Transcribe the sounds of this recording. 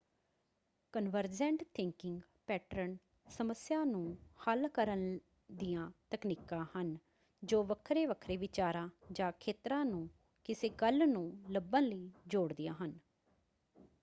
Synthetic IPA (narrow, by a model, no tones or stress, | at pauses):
kənʋəɾd͡ʒɛ̃ːɳʈt̪ʰɪ̃ŋkɪŋɡ | pɛːʈɾən | səməsjãːnũːhəlkəɾən | d̪ijãːt̪əkniːkãːhən | d͡ʒoːʋəkʰɾeːʋəkʰɾeːʋɪt͡ʃaːɾãːd͡ʒãːkʰeːt̪ɾãːnũː | kɪseːɡəlnũːləbənləiːd͡ʒoːɽd̪ɪjã̰ːɦən